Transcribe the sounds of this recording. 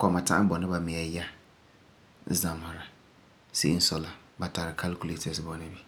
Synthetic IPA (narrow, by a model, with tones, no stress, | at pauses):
kɔ˨ma˨ta̰˦ʔa˦bɔ˨nɪ˦ba˨mɪ˨a˨ja˦ | za˨mha˨ɾa˨ | sḛ˦n̩˦sɔ˨la˦ba˨ta˨ɾɪ˨kʰa˦lku˦le˨tɛ˨sbɔ˨nɪ˦bi˦